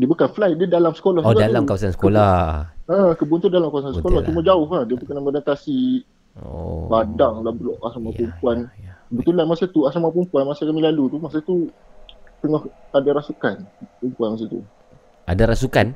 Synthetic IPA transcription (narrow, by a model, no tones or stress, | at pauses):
diəbukanflaj̚dədalamsə̥koladalamkawasansə̥kolahə̃kəbuant̪udalamkawasansəkolaht͡ʃuməd͡ʒaʊɦahdiabukananmədant̪asḭ | badaŋlahbəlɔʔasamapumpuankəbət̪ulanmasat̪uasɾamapumpuanmasakamilalut̪umasat̪u | t̪əŋɔhadaɾasukanpumpuanmas̬at̪ṵ | ʔadaɾasukan